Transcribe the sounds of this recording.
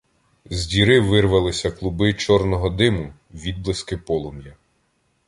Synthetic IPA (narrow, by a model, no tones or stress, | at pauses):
zʲdʲiɾɪʋɪrʋɐlˠɪsʲɐklˠʊbɪt͡ʃɔrnɔɦɔd̪ɪmʊ | ʋʲid̪̚blˠɪskɪpɔlˠɔmjɐ